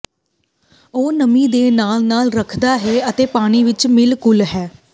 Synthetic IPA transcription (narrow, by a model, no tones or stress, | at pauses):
oːnəmĩːd̪eːnaːlnaːlɾəkʰd̪aːɦɛːət̪eːpaːɽ̃iːʋɪt͡ʃmɪlkʊlɦɛː